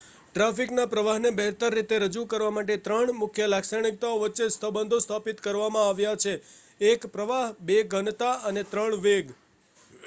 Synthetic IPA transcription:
ʈɾafiknapɾəʋaɦnebɛɦt̪əɾːit̪eɾəd͡ʒukəɾʋamaʈet̪ɾəɳmʊkʰjəlaksəɳ̃ik̚t̪aoʋətːʃest̪ʰəbənd̪ʱost̪ʰapit̪kəɾʋamãaʋjat͡ʃʰeː | kpɾəʋaɦbeɡʱənt̪aənet̪ɾəɳʋeɡ

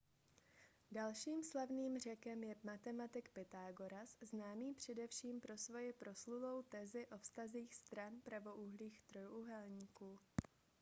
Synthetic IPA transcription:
dalʃiːmslavniːmr̝ɛkɛmjɛmat̪ɛmat̪ɪkpɛt̪aːɡo̞ɾasznaːmiːpr̝̥ɛdɛfʃiːmpɾo̞svo̞jɪpɾo̞sluvo̞wt̪ɛzɪʔo̞fst̪aziːxst̪ɾanpɾavo̞ʔuɦliːxt̪ɾojʔuɦɛlɲiːkuː

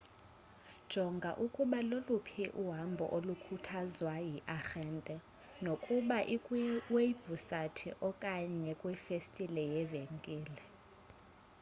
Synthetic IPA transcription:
d̥ʒ̥ʱɔŋɡʱaʔukʼuɓalolupʰiʔuɦambʱɔ̰ʔolukʰutʰazwajiʔaxɛːntʼɛ | nokʼuɓaʔikʼweb̥ʱusatʰiʔɔkʼaɲɛkʼwɛfestʼilɛjɛveŋkʼiːlɛ

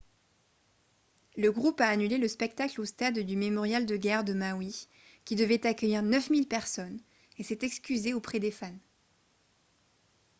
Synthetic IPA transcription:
ləɡʁupaːnyleləspɛk̚t̪aklost̪ad̪d̪ymemɔʁjald̪əɡʲɛʁd̪əmawi | kʲid̪əvɛt̪akʲəjiʁnœfmilpɛʁsɔn | esɛt̪ɛkskʲyzeopχɛd̪efan

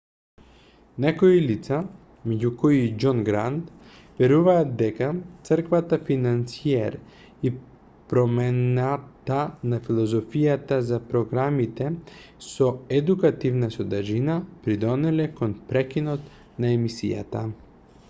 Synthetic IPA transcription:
nɛkoilit̪sa | mɛɟukɔid͡ʒɔnɡɾant̪ | vɛɾuvaːt̪̚d̪ɛkat̪sərkvat̪afinansiɛɾ | i | pɾɔmɛnat̪anafilˠɔzɔfijat̪azapɾɔɡɾamit̪ɛsɔɛd̪ukat̪ivnasɔd̪aɾʒinapɾid̪ɔnɛlɛkɔnpɾɛkinɔt̪ | naɛmisḭja̰t̪a

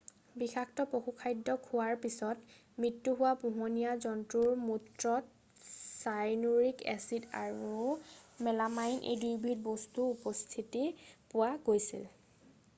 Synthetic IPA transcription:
bixʰaktɔpoxukʰajdːɔkʰʊwaɹpisɔt | mɹitːuɦʊwapuɦɔnijazɔntɹuɹmutɹɔ | sajnoɹikɛ̰sida̰ɹumɛlamajnʔḛjdiɹbʱit̚bɔstuupɔstʰitipʊwaɡojsḭl

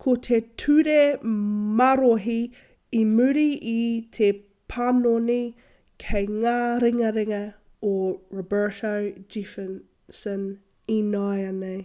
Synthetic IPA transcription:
kʰot̪ʰetʰʉɾemɐɾoɦi | imʉɾiit̪ʰe | pʰanoni | kʰejŋaːɾɪŋɐɾɪŋɐ | oɹobɛ˞towd͡ʒifən | sən | inajɐnej

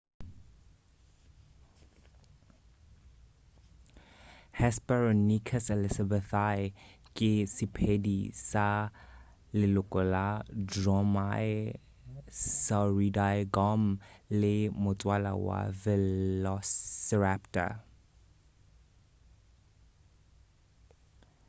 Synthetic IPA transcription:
hɛspɛɹɔnikʰəsɛlɪsabɛθajkʼisipʰedisa | lelokʼoladɹɔmaj | saɹidajɡɔmlemot͡sʼwala̰wa̰vɛlɔsɛɹaptə̰

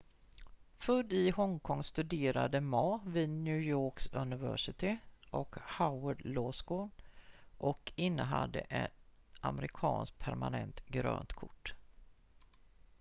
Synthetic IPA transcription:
fɵd̪ɪhɔŋkʰɔŋst̪ɵd̪eːɾad̪əmɑːvɪd̪njʉ̟ːjoːksɵnɪvæ̰ʂɪt̪ʰɪʔɔkhaʊəɖlosɡoːnʔɔkɪnːəɦad̪ːə̰ʔɛn | aməɾɪkʰɑːnsk̚pʰæɾmanɛnt̪ɡɾø̰ːnt̪kʰʊʈː

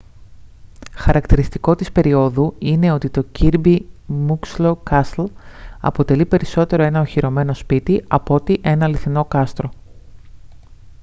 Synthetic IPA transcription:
xɐɾɐkt̪iɾist̪iko̞t̪ispe̞ɾio̞ðuine̞o̞t̪it̪o̞ciɾbimukslokɐslɐ̰po̞t̪e̞lipe̞ɾiso̞t̪e̞ɾo̞e̞nɐoçiɾo̞me̞no̞spit̪iɐpo̞t̪iʔe̞nɐliθino̞kɐst̪ɾo̞

